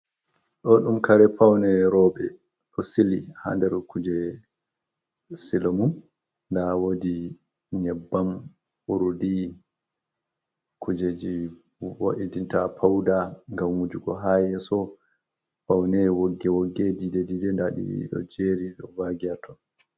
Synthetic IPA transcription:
ɗɔɗumkaɾɛpawnɛɾɔɓɛ | ɗɔsiliha̰ndɛɾkud͡ʒɛ | silomun | ndawodi | ɲɛbːam | uɾudi | kud͡ʒed͡ʒi | woʔidintapʰawdaŋɡamwud͡ʒuɡɔɦajɛsɔ | pawnɛwoɡːɛwoɡːedidedidɛndaɗḭɗɔ̰d͡ʒeɾiɗɔvaɡiatʰɔ

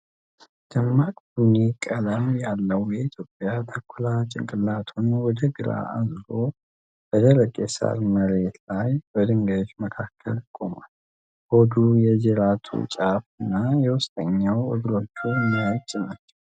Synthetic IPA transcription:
d̪̥əmːakʼbunekʼələmjalːəwjɛit̪ʰjo̞pʼːjat̪ʰəkʰːulat͡ʃʼɪ̰ŋkʼɨlːat̪ʰunwɔd̪əɡɨɾa̰azlo̞ | b̥əd̪ʰələkʼːesa̰ɾməɾe̞t̪lajbəd̪ɨŋɡəd͡ʒməkʰakʰːə̰lkʼo̞ma̰l | hod̪ujɛd͡ʒɛɾat̪ʰṵt͡ʃʼafɨnːajɛwʊst̪ʼəɲːawɨ̰ɡɾo̞t͡ʃːumːiat͡ʃʼnat͡ʃːɛ̥w

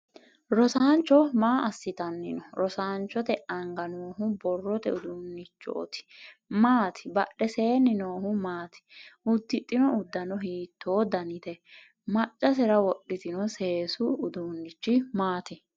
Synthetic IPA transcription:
ɾɔsaːnt͡ʃːɔmaːɐsːɪt̪ɐnːɪnɔɾɔsaːnt͡ʃːɔt̪ɛɐŋɡɐnoːhʊbɔrːɔt̪ɛʊd̪ʊnːɪt͡ʃːɔ̰ːt̪ɪ̥maːt̪ʰɪ̥bɐɗːɛse̞ːnɪnoːhʊmaːt̪ɪ̥ʊd̪ːɪt̪ʼːɪnɔʊd̪ːɐnɔɦiːt̪ʰːoːd̪ɐnɪt̪ɛ | mɐt͡ʃʼːɐs̬ɛɾɐwɔɗːɪt̪ɪnɔse̞ːsʊːd̪ʊnːɪt͡ʃːɪmaːt̪ɪ

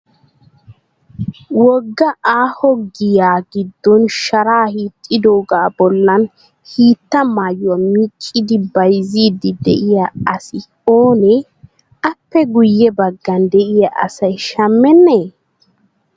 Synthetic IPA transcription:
wɔɡːɐʔaːhɔɡɪjaːɡɪd̪ːɔnʃɐɾaːhiːt̪ʼːɪd̪oːɡaːbɔlːɐn | hiːt̪ːɐmaːjʊwamiːkʼːɪd̪ɪbɐjziːd̪ɪd̪ɛ̰ʔɪjaɐsɪ | oːnɛ | ɐpːɛɡʊjːɛbɐɡːɐnd̪ɛʔɪjaʔɐ̰sɐjʃɐmːɛnːeː

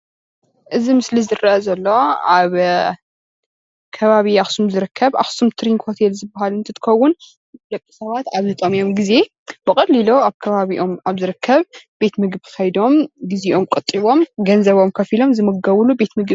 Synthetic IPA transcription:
ʔɨzimɨslizɨrɐʔɐzɐlːo̞aβ | kʰɐβaβiaxsumzɨɾɨkʰːɐβʔa̰xsumt̪ʰɨɾinkʰot̪ʰe̞lzɨbːahalɨnt̪ʰɐt̪ʰɨ̥xɐwːʊn | d̪ɐkʼːi̥sɐβat̪aβzɨt̪ʼomijo̞mɡize̞ | b̥ɨkʼɐlːiloaβkʰɐβaβiʔo̞maβzɨɾɨkʰːɐβb̥e̞t̪mɨɡβʰɨkʰɐjd̪o̞mɡiziʔo̞mkʼɐt̪ʼːiβo̞mɡɐnzɐβo̞mkʰɐfilo̞mzɨmɐɡɐwlube̞t̪mɨɡ

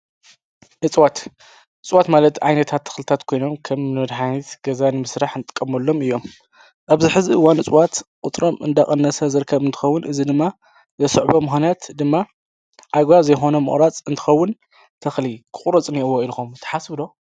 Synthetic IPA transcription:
ʔɨt͡sʼwat̪ | ʔɨt͡sʼwat̪malɐt̪ʕajnɐt̪ʰat̪ʰːɐ̥xlɨt̪ʰat̪kʰo̞jno̞mkʰɐmnɨmɐd̪ħanit̪ɡ̥ɐzanɨmɨsɾaħnt̪ʼɨ̥kʼːɐmɐlːo̞mɨjːo̞m | ʔaβziħɨziʔɨwːanɨt͡sʼwat̪kʼʊt̪ʼɾomɨ̰nd̪aχʼɐnːɐsɐzɨɾkʰːɐβɨnt̪ʰɨ̥xɐwːʊnʔɨzid̪ɨmːa | zɐsɨʕbomɨxnat̪d̪ɨmːa | ʔaɡβazɐjxo̞nɐmɨ̰χʼɾat͡sʼɨnt̪ʰɨ̥xɐwːʊn | t̪ʰɐxlikʰɨχʼɾɐt͡sʼniwoilxomt̪ʰɐ̥ħasbɨd̪o̞

